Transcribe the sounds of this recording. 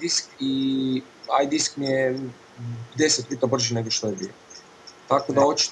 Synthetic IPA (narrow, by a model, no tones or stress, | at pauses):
d̪iski | ajd̪iskmije | pd̪eset̪pit̪abr̩ʒineɡoʃt̪ojebḭo | t̪akod̪aot͡ʃi̥t̪